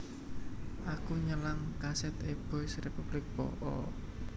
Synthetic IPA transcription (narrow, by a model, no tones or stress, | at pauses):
ʔakuɲəlaŋkasɛt̪eb̥ɔsrepub̥lɪk̚bɔ̰ʔɔ